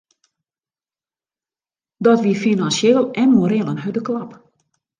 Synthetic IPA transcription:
dɔtʋifinansjeːlˠɛnmoɾɪlˠənɦœdəklɑp

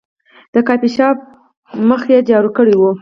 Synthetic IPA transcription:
d̪̥əkɑpiʃɑb̚ | məxjed͡ʒɑɾukəɽiwu

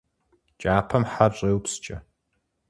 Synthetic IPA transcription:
t͡ʃʼaːpʰɐmħaɕʼeːwpst͡ʃʼɐ

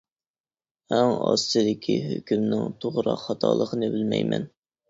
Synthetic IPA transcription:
æŋɑst̪ɨd̪ɪkʲʰiɦøkʲʰymnɪŋt̪ʰoʁɾɑqhɑt̪ʰɑːlˠəqənɨbɪlmɛjmɛn

